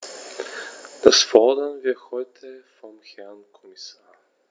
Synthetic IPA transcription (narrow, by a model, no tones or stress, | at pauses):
d̥asfɔɐdɐnviːɐhɔʏtʰəfɔmhɛɐnkʰɔmisaːɐ